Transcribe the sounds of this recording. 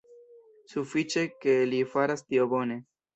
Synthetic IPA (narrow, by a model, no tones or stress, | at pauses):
sufit͡ʃe̞ke̞lifaɾastiobo̞ne̞